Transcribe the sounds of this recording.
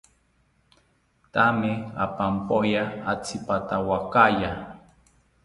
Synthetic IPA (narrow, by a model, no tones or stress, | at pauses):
t̪amea̰pampojaat͡sʰipat̪awakaja